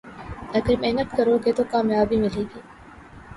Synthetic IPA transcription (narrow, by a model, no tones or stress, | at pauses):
ɐɡəɾmɛːnət̪kɐɾoːɡet̪okaːmjaːbʱimɪleːɡiː